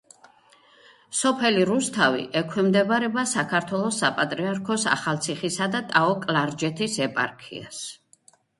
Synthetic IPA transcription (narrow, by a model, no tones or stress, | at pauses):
sɔpʰɛliɾust̪ʰavḭʔɛkʰwɛmd̪ɛbɾɛbasakʰaɾt̪ʰwɛlˠɔsːapʼat̪ʼɾiaɾkʰɔsa̰χalˠt̪sʰiχisad̪at̪ʼaɔkʼlaɾd͡ʒɛt̪ʰisɛpʼa̰ɾkʰḭa̰s